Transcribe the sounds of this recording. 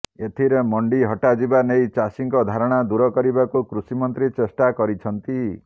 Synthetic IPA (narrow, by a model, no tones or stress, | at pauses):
et̪ʰiɾemɔɳɖiɦɔʈad͡ʒibanejt͡ʃasiŋkɔd̪ʱaɾɔɽ̃ad̪uɾɔkɔɾibakukɾusimɔnt̪ɾit͡ʃesʈakɔɾit͡ʃʰɔnt̪i